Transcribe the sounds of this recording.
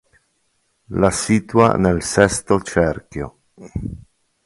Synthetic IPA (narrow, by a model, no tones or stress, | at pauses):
lasiːt̪ua̰nelsɛst̪ot͡ʃɛrkjo̰